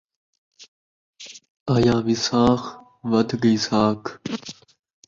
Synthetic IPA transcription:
ajaːvisaːx | ʋɐd̪ɡisaːk

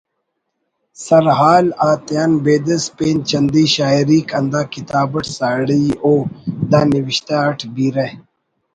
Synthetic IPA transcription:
sɐɾɦaːlaːt̪jaːnbeːd̪ɐspeːnt͡ɕɐnd̪iːɕaːiɾiːkɐnd̪aːkit̪aːbɐʈsaːɽioːd̪aːniwiɕt̪aːɐʈʰbiːɾe

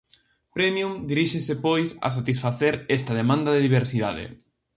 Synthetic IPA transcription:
pɾɛmjumd̪iɾiʃesɪpojsa̰s̬at̪isfaθeɾɛst̪ɐðemãnd̪ɐðeðiβeɾsiðaðɪ̰

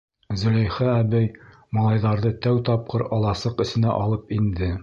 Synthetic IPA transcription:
zɵ̆læjχæːbæj | mɑlˠɑjðɑɾðɤt̪æwt̪ɑp̚qɤɾɑlˠɑsɤqɘ̆sɘ̆næ̰ʔɑlˠɤpind̪ɘ

